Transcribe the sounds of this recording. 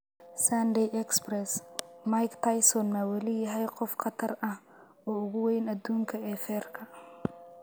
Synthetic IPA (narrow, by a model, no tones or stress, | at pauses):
sɐnd̪ɛjɛksprɛsmajkt̪ʰɐjsɔnmɐwɐlɪjɐɦɛjqɔfqɑt̪ʰɐrɐh | ɔːʊɣʊwɛjnɐd̪uːŋkʰɐɛːfɛːrkʰɐ